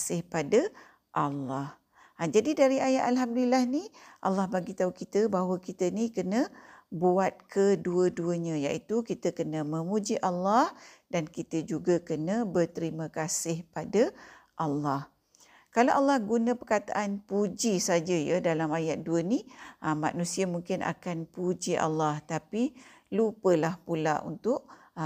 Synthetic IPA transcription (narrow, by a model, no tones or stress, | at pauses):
asɪhpada | ʔalːɑh | d͡ʒadidaɾiajaʔ̪alɦamdlilahniʔa̰lːɑhbaɡit̪aukit̪əbaɦwəkit̪ənikənə̃buat̪̚kʰəduəduəɲə̃ja̰ʔit̪ukit̪əkənəmə̃mud͡ʒiʔalːɑh | dankit̪əd͡ʒuɡakənəbərt̪əɾiməkasɪhpadaʔalːah | kalaʔalːɑhɡunə̃pərkat̪a̰ʔanpud͡ʒisad͡ʒəjədalamajat̪̚duəniəma̰nũsiamuŋkɪnʔa̰kanpud͡ʒiʔa̰lːaht̪apilupəlahpula̰ʔṵnt̪ʊʔ